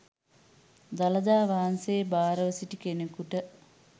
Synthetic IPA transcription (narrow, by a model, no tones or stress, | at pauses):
d̪alɐd̪aːʋaːnseːbaːɾəʋəsiʈikenekuʈə